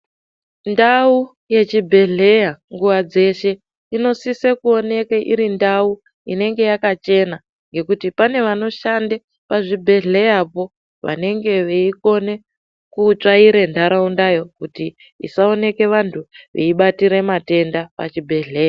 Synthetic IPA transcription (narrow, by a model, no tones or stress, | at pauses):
ndau | je̞t͡ʃibʱe̞ɮe̞jaŋɡuʋad͡ze̞ʃe̞ | ino̞sisekuo̞ne̞keʔiɾindau | ine̞ŋɡe̞jakat͡ʃe̞na | ŋɡe̞kutipane̞ʋano̞ʃande | paʐibʱe̞ɮe̞japo̞ | ʋa̰ne̞ŋɡe̞ʋeiko̞ne̞ | kut͡ʂaiɾendʱaɾaundajo̞kuti | ḭsao̞ne̞ke̞ʋantʰuʋḛiɓatiɾe̞mate̞ndapa̰t͡ʃibʱe̞ɮe̞ːja